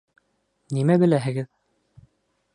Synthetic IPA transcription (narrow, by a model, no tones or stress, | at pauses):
nimæbɘ̆læɦɘ̆ɡɘð